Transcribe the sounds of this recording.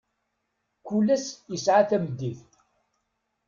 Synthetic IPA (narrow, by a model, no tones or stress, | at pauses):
kulːæsjəsʕaθæməd̪ːiθ